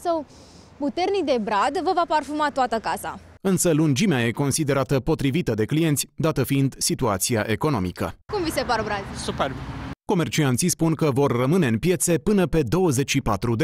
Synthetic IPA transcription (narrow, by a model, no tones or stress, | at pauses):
səw | put̪e̞rnik̚d̪e̞bɾad̪vəvaparfumat̪uat̪əkasa̰ | ɨnsəlund͡ʒimeaje̞ko̞nsid̪e̞ɾat̪əpot̪ɾivit̪əd̪e̞klije̞nt̪sʲd̪at̪əfiind̪sit̪uat̪siaʔe̞ko̞no̞̰mḭkə̰kumvise̞parbɾad̪superbko̞me̞rt͡ʃiant̪sispunkəvo̞rːəmɨne̞ɨnpje̞t̪se̞pɨnəpe̞d̪o̞wəze̞t͡ʃʲʃipat̪ɾud̪e